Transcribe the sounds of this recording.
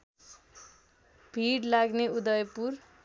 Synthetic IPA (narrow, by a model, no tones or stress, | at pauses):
b̥ʱiɽlaɡneud̪ʌjʌpur